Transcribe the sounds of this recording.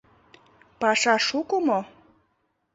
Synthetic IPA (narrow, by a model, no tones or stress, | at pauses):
pɑʃɑʃukomo